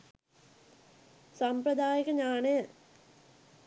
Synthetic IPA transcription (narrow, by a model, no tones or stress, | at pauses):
sɐmprɐd̪aːjɐɣɐɲaːɳe